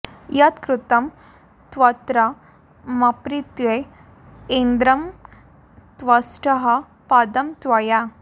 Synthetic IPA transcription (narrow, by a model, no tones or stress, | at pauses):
jɐt̪kɾut̪ɐm | t̪ʋɐt̪ɾɐ | mɐpɾit̪ʋe | eːnd̪ɾɐm | t̪ʋɐsʈɐɦɐ̆ | paːd̪ɐmt̪ʋɐja